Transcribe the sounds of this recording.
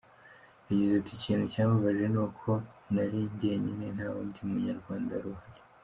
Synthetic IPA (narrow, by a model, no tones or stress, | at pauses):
aɟezaticiːnhucaːmaβaʒe̞nuːkʰo̞naɾiɟe̞ɲinen̥haːwundiumuɲaɾɡwaːndaɾuhaɾe̥